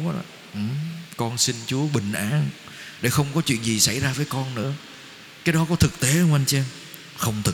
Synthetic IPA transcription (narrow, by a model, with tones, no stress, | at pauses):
a̰˧˨ | ʔɨ˨˩kɔ˧nsi˧nt͡ɕu˨˦əɓï˨˩ŋ̟ʔaː˨˦n | ɗe˧˩xə˧wŋ͡mkɔ˨˦t͡ɕwḭ˧˨ənzi˨˩sa˧˩jzaː˧vəː˨˦jkɔ˧nnɨ̰˧˥ə | kaː˨˦jɗɔ˨˦kɔ˨˦t̪ʰɨ˨˩k̚t̪e˨˦hə˧wŋ͡mʔa˧jŋt͡ɕɛ˧n | xə˧wŋ͡mt̪ʰɨ˨˩